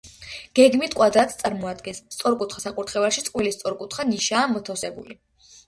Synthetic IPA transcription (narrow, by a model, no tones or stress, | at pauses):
ɡ̥ɛɡmit̪ʰkʼwad̪at̪ʰt̪sʼaɾmɔad̪ɡɛnst̪sʼɔɾkʼut̪ʰχasakʼuɾt̪ʰχɛvaʃit̪sʼqʼwilist̪sʼɔɾkʼut̪ʰχaniʃaːmɔt̪ʰafsɛbṵli